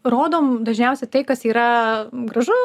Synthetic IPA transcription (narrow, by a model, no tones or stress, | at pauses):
ɾoːd̪oːmd̪ɐʒʲnʲɛʊsʲɛt̪ɐɪkɐsiːɾɐɡɾɐʒʊ